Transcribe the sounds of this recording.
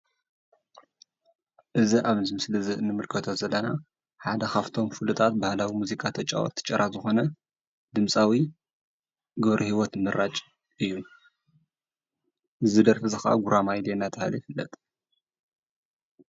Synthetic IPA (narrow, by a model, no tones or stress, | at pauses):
ʔɨziʔaβnzɨmɨslɨzɨʔɨnːɨmɨlkʰɐt̪ʰo̞zɐlːɐna | ħad̪ɐxaft̪ʰo̞mfɨlut̪ʼʰat̪̚bahlawimuzikʼat̪ʰɐt͡ʃʼa̰wɔ̰t̪ʰːɨ̥t͡ʃʼɐɾazɨxo̞nɐ | d̪ɨmsʼawi | ɡɨβɾʔihiwɔt̪mɨrat͡ʃʼ | ɨjːu | ʔɨzɨd̪ɐɾfizɨxa̰ɡuɾʔamajlenat̪ʰɐhaljifɨlːɐ̰t̪ʼ